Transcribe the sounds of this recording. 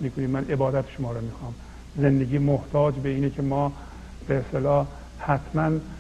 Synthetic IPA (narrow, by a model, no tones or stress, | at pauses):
miːkʰoniːmmːænʔe̞bɒːd̪æt̪ʰe̥ʃomɒːɾɒmiːxɒːm | zend̪eɡʲiːmoht̪ʰɒːd͡ʒbeiːnekʰemɒː | b̥eest̪elɒː | hæt̪ʰmæn